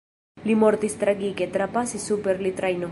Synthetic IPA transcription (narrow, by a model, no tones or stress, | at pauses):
limoɾt̪ist̪ɾaɡiket̪ɾapasisupeɾlit̪ɾajno